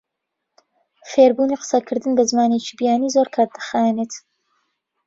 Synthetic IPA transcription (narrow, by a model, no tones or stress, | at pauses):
feːɾbuːniqə̥sɐkʰɨɾd̪ɨnbɐzmaːnet͡ʃibijaːniːzoɾkʰaːɾ̚d̪ɨ̥xajneːt̪